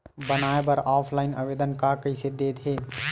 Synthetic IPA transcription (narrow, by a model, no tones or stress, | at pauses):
bənaːebɐɾɔːpʰlaːɪna̰ʋeːd̪ənkakəɪsed̪eːt̪ɦeː